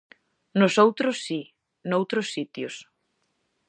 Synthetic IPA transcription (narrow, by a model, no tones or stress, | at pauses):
nʊsowt̪ɾʊsːi | nowt̪ɾʊsːit̪jʊs